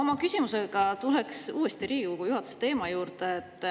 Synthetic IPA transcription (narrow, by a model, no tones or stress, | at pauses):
o̞mɑkysʲimuse̞ɡ̥ɑt̪uleksuːest̪iɾiːukujuhɑt̪ːu̥set̪e̞ːmɑjuːrd̪eːt̪ːˑ